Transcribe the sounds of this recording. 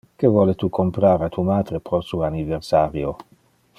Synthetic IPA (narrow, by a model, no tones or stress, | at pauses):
kevwɔːlet̪ukompɾaːɾat̪umaːd̪ɾepɾɔsuaniversaːɾjo